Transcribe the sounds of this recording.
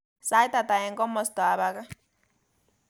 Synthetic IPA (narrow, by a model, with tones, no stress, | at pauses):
sa˦jt̪a˨t̪a˨ɛ˨ŋɡɔ˦mɔ˨st̪ɔ˨a˨βa˦ka˦